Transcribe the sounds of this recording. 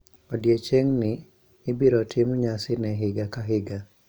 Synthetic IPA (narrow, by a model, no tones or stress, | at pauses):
odjet͡ʃeŋnɪː | biɾɔtʰɪmɲasɪnɛɦɪɡakaɦɪɡa